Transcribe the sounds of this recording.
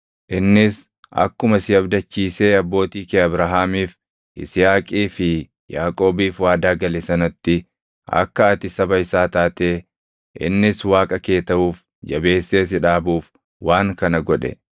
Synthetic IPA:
ʔɪnːɪs | ɐ̰kːʊmɐsɪjɐbd̪ɐt͡ʃːiːse̞ːɐbːo̞ːt̪iːkeːɐbɾɐɦaːmiːf | ʔɪ̰sɪjaːkʼiːfɪ | jaːkʼo̞ːbiːfwaːd̪aːɡɐlɛsɐnɐt̪ːɪ | ʔɐ̰kːɐːt̪ɪsɐbɐɪsaːt̪aːt̪eː | ʔɪ̰nːɪswaːkʼɐke̞ːt̪ɐuːf | d͡ʒɐbe̞ːsːe̞ːs̬ɪᶑaːbuːf | waːŋkɐnɐɡɔᶑɛ̰

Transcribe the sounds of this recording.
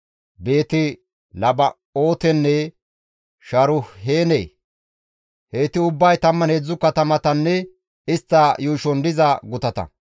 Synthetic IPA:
be̞ːt̪ɪ | lɐbɐ | o̞ːt̪ɛnːɛ | ʃɐɾʊhe̞ːnḛː | heːt̪ɪʊbːɐjt̪ɐmːɐnhed͡zːʊkɐt̪ɐmɐt̪ɐnːɛ | ɪst̪ːɐjuːʃɔnd̪ɪzɐɡʊt̪ɐt̪ɐ̰

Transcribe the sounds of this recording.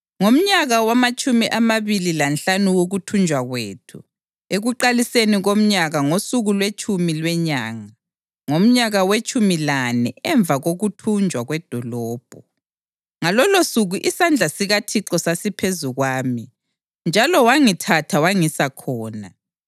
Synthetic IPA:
ŋom̩ɲaɣawamat͡ʃʼumiʔamaβililanɬanuwoɣutʰund͡ʒʱwaɣweːtʰṵ | eɣuǃaliseniɣom̩ɲaɣaŋosuɣulwet͡ʃʰʼumilwɛɲaːŋa | ŋom̩ɲaɣawet͡ʃʼumilanɛɛɱbvʱaɣoɣutʰund͡ʒʱwaɣwɛd̥ʱɔlɔːb̥ʱɔ | ŋalɔlosuɣuʔisand͡ɮʱasiɣatʰiǁɔsasipʰezuɣwaːmi | nd͡ʒʱalɔwaŋitʰatʰawaŋisakʰɔːna

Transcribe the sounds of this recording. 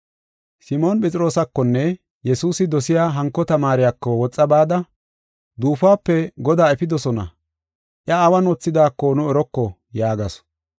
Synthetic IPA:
sɪmo̞ːnpʼɛt͡sʼɪɾo̞ːsɐkːɔnːɛ | jɛsuːsɪd̪ɔsɪjaːɦɐŋkːɔt̪ɐmaːɾɪjakːɔwɔt͡sʼːɐbaːd̪ɐ | d̪uːfaːpːɛɡɔd̪aːɛfɪd̪ɔsɔnɐ̰ | ʔjɐːwɐnɔt͡sːɪd̪aːkːɔnʊɛɾɔkːɔ | jaːɡɐs

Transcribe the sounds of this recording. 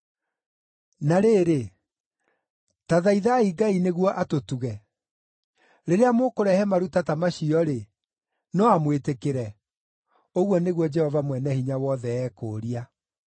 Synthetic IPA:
naɾeːɾe | taðaiðaiɡaineɣwɔʔatotuɣɛ | ɾeɾeamokoɾɛhɛmaɾutatamaɕiɔɾe | nɔamwetekeɾɛ | oɣwɔneɣwɔd͡ʒɛhɔvamwɛnɛhiɲawɔðɛːkoːɾia

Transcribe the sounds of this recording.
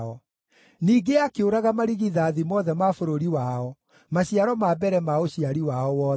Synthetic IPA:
ɔ | niːɡeakeoɾaɣamaɾiɣiðaːðimɔðɛmafoɾoɾiwaɔ | maɕiaɾɔmabɛɾɛmaoɕiaɾiwaɔwɔː

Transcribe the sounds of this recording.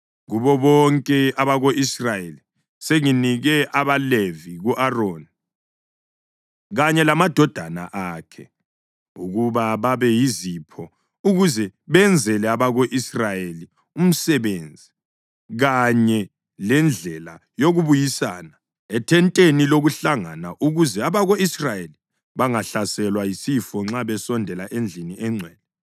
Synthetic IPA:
ɣuβɔβɔŋkʼɛaβaɣoʔisrajeli | seŋiniɣɛʔaβaleviɣuʔaroːni | ɣaɲɛlamad̥ʱɔd̥ʱana̰ʔaːkʰɛ̰ | uɣuβaβaβɛjizipʰɔ | uɣuzɛβɛnd͡zʱɛlɛaβaɣoʔisrajeli | um̩sɛβeːnd͡zʱi | ɣaɲɛ | lɛnd͡ɮʱɛlajoɣuβujisa̰ːna | ɛtʰɛntʼeniloɣuɬaŋanaʔuɣuzɛaβaɣoisrajeli | βaŋaɬasɛlwajisifɔŋ͡ǁaβɛsɔndʱɛlaʔend͡ɮʱiniʔɛŋ͡ǀʱwɛːlɛ

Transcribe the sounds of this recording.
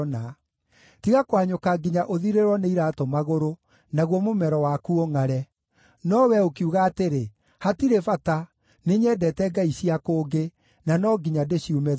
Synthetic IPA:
na | tiɣakwaɲokaɡiɲaʔoðiɾeɾwɔneiɾatɔmaɣoɾo | naɣwɔmomɛɾɔwakuoŋaɾɛ | nɔwɛokiuɣaːteɾe | hatiɾefata | neɲɛːdɛtɛɡaiɕiakoːɡe | nanɔɡiɲadeɕiomɛ

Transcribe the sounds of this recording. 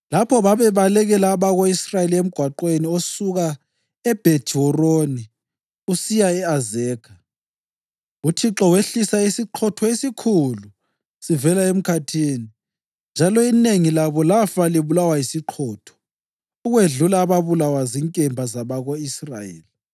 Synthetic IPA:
lapʰɔβaβɛβalɛɣɛlaːβaɣoisrajeliem̩ɡ̥ʱwaǃweniosuɣa | ɛb̥ʱe̥ʒ̥ʱɔroni | usijaɛazɛːkʰa | utʰiǁɔweɬisaisiǃʰɔtʰɔesikʰulu | sivɛlaem̩kʰatʰiːni | nd͡ʒʱalɔineŋilaβɔlafaliβulawaisiǃʰɔːtʰɔ̥ | uɣweɮulaːβaβulawaziŋkʼɛmbʱazaβaɣoisra̰jḛːli

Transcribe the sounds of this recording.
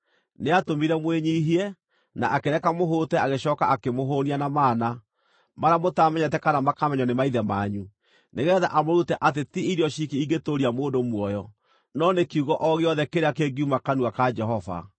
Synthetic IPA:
neatomiɾɛmweɲiɦiɛ | na̰ʔakeɾɛkamoɦoːtɛaɣeɕɔːkaakemoɦoːnianamaːna | maɾamotaːmɛɲɛt̬ɛkanamakamɛɲɔnemaiðɛmaːɲu | neɣɛðaʔamoɾutɛʔat̬etiiɾiɔʃikiiɡetoɾiamoːdomwɔjɔ | nɔnekiuɣɔʔɔɣeɔðɛkeɾeakeɡiumakanuakad͡ʒɛɦɔva̰

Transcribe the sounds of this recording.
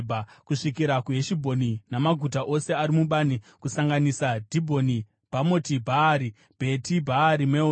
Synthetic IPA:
bakuʂikiɾakuɦeʃibʱo̞ninamaɡʱutaʔo̞se̞aɾimuɓanikusaŋɡanisadʱibʱo̞ni | bʱamo̞tibʱaɾi | b̥ʱe̞tibʱaːɾimweo

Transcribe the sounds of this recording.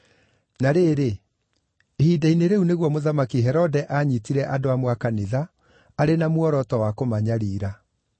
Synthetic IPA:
naɾeːɾe | hidaineɾeuneɣwɔmoðamakiɦɛɾɔdɛʔaɲitiɾɛʔadoamwakaneðaː | ɾenamwɔɾɔtɔwakomaɲaɾiːɾa

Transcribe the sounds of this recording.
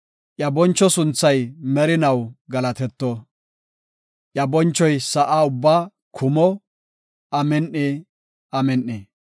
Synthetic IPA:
ʔjɐbɔnt͡ʃːɔsʊnt͡sːɐjmɛɾɪnɐwɡɐlɐt̪ɛt̪ːɔ | ʔjɐbɔnt͡ʃːɔjsɐʔaːʊbːaː | kʰʊmɔ | ɐmɛnʔːɪ | ɐmɛnːe

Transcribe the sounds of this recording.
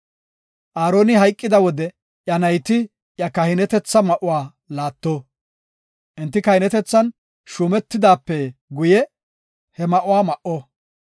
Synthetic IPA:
ʔaːɾo̞ːnɪɦɐjkʼːɪd̪ɐwɔd̪ɛ | ʔjɐnɐjt̪ɪ | jɐkɐhɪnɛt̪ɛt͡sːɐmɐʔʊwaː | laːt̪ːo | ʔɪnt̪ːɪkɐhɪnɛt̪ɛt͡sːɐn | ʃuːmɛt̪ːɪd̪aːpːɛɡʊjɛ | hɛmɐʔʊwaːmɐʔɔ

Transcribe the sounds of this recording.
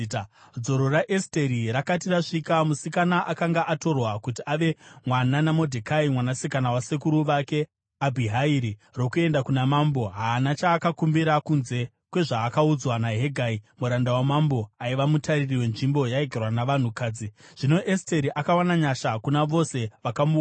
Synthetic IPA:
d͡zo̞ɾo̞ɾaʔesteɾiɾakatiraʂikamusikanaʔakaŋɡaʔato̞rwakutiaʋe̞mwananamo̞dʱekaimwanasikanawasekuɾuʋake̞ | abʱiɦaiɾiro̞kue̞ndakunamambo̞ɦaːnat͡ʃaːkakumbiɾakunze̞ | kwe̞ʐaːkaud͡zwanaɦe̞ɡʱaimuɾandawamambo̞aiʋamutaririwe̞nʐimbo̞jaeɡʱerwanaʋan̤ukaːd͡ziʐ̥ino̞ʔeste̞ɾiʔakawanaɲaʃakunaʋo̞se̞ʋakamu

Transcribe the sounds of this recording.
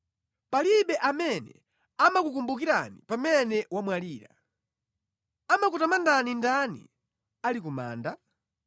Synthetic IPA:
paliɓɛʔamɛnɛ̰ | amakukumbuk̬iɾa̰nipamɛnɛwamwaliːɾa̰ | amakutamandanindanḭ | alikuma̰ːnda

